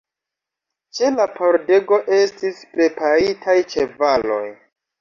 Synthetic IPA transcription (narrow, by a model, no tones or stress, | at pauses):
t͡ʃe̞lapoɾde̞ɡo̞ʔe̞stispɾe̞paɾitʰajt͡ʃe̞valo̞̰j